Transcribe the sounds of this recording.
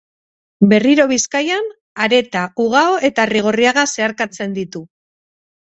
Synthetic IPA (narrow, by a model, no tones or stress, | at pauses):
be̞riɾo̞β̞iskajan | aɾe̞t̪auɣ̞aoe̞t̪ariɣ̞o̞riaɣase̞aɾkat͡se̞nd̪it̪u